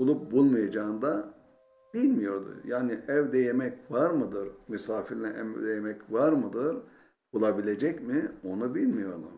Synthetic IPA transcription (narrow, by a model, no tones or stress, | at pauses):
ulˠup̚bulˠmajad͡ʒaːɯnd̪a | b̥ilʲmijo̞ɾd̪ṵjaːniʔɛvd̪ɛjemɛcvaɾmɯd̪ɯɾmysaːfiɾinʲɛʔɛ̰md̪ɛjemɛcvaɾmɯd̪ɯɾ | b̥ulˠabilʲe̞d͡ʒɛcmio̞nubilʲmijo̞ɾd̪ṵ